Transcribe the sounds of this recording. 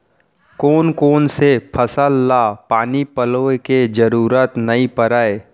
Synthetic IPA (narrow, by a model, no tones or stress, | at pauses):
koːnkoːnsepʰəsəlːapaːnipəloked͡ʒəɾuːɾət̪nɐĩpəɾaːe